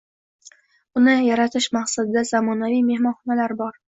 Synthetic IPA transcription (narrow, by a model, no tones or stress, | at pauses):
ʊnɪjaɾat̪ʰɪʃmaqsad̪ɪd̪azamɒnavijme̞hmɒnχɒnalaɾbɒɾ